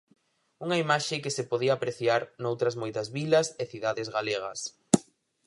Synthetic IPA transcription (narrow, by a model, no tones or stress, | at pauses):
uŋɐimaʃɪkɪsɪpoðiɐːpɾeθjaɾnowt̪ɾɐzmojt̪ɐzβilɐseθiðaðɪzɣaleɣ̞ɐ̰s